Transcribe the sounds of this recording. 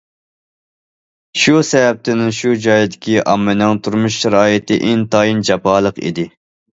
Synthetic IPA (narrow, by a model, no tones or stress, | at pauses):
ʃusɛvɛp̚t̪ʰɪnɪŋʃud͡ʒɑːjid̪ɪkʲʰiʔɑmːɪnɨŋt̪ʰuɾmuʃʃɛɾɑːjɪt̪ɪʔɪnt̪ɑjind͡ʒɑpɑːlˠəqḭd̪ɪ